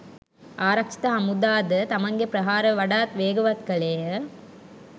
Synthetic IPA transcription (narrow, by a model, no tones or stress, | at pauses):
aːɾɐkʂi̥t̪ɐɦɐmud̪aːd̪ɐt̪ɐmɐŋɡepɾɐɦaːɾɐʋɐɽaːt̪ʋeːɡɐʋɐt̪ɡɐɭeːɐ